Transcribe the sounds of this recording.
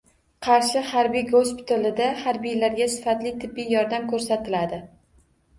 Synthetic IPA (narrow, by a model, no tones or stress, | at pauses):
qʰɑɾʃɪhaɾbijɡospʰɪ̥t̪ʰalɪd̪ahaɾbijlaɾɡʲasɪ̥fat̪lɪt̪ʰɪbːijɒɾd̪amkʰɵɾsat̪ɪlad̪ɪ